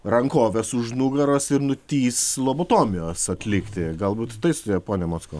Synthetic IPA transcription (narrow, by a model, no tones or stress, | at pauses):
rɐŋkoːʋʲɛsʊʒnuɡɐɾɐsɪɾnʊt̪ʲiːslˠoːboːt̪oːmʲɪjoːsɐt̪ʲlʲɪkt̪ʲɪɡɐlˠbuːt̪t̪ɐɪst̪ʊdʲeːjpoːnʲɛmoːt̪skoː